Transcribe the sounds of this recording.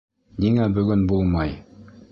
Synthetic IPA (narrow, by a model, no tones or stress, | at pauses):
niŋæbɵ̆ɡɵnbulˠmɑj